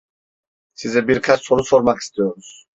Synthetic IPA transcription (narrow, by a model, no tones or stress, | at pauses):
sizɛbiɾkʰassʰɔɾusʰɔɾmakʰi̥st̪iɔmus